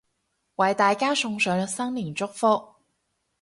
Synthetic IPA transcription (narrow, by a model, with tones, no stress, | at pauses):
wɐ˨jt̪aː˨jkaː˥sʊ˧ŋsœː˨˧ŋ˧sɐ˥ŋliː˨˩nt͡sʊ˥k̚fʊ˥k̚